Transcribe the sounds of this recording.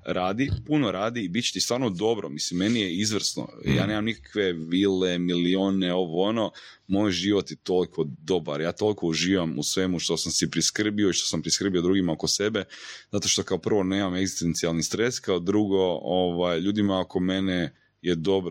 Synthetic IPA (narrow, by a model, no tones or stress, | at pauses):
ɾaːd̪ipunoɾaːd̪iːbitt͡ɕe̥t̪ist̪ʋaːɾnod̪o̞bɾomislimːe̞nijeizʋr̩sno̰ja̰ːne̞ːmamnikḁkʋe̞ʋiːlemilioneo̞ʋoono̞ | mojʒiːʋot̪jet̪o̞likʰo̞d̪o̞baɾjaːt̪o̞lˠikouʒiːʋamṵsʋe̞muʃt̪o̞samsipɾiskr̩bio̞iʃt̪o̞sampɾiskr̩biod̪ɾuɡimao̞ko̞se̞be̞zat̪o̞ʃt̪o̞kaopr̩ʋo̞ne̞ːmame̞ɡzist̪ent̪sialˠnist̪ɾe̞skaod̪ɾuɡo̞oʋajʎuːd̪imaoko̞me̞ne | jed̪o̞bɾo